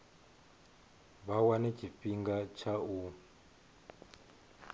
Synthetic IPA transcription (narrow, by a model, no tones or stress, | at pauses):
βawanɛt͡ʃʰiɸiŋɡat͡ʃʰau